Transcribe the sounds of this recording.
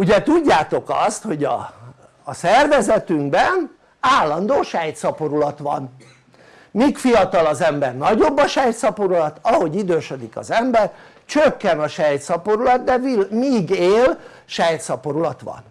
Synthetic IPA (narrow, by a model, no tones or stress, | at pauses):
uɟɛt̪uɟːaːt̪o̞kɒ̰st̪ho̞ɟɒ̰ː | sɛrvɛzɛt̪yŋɡbɛn | aːlːɒnd̪oːʃɛjt̪sɒpoɾulɒt̪ʋɒ̰n | mikfijɒt̪ɒlɒzɛmbɛrnɒɟo̞bːɒʃɛjt̪sɒpoɾulɒt̪ɒɦo̞ɟid̪øːʃød̪ikɒ̰zɛmbɛr | t͡ʃøkːɛnɒʃɛjt̪sɒpo̞ɾulɒd̪d̪ɛimiːɡeːl | ʃɛjt̪sɒpo̞ɾulɒt̪ʋɒ̰n